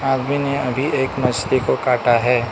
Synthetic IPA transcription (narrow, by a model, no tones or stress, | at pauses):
aːd̪mineɐbʱiʔeːkmɐd͡ʒd̪ikokaːʈaɦɛː